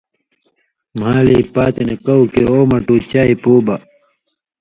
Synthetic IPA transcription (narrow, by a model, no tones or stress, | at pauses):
m̤aːliːpaːt̪enekɐwkeoːmɐʈuːt͡ɕaːipoːbɐ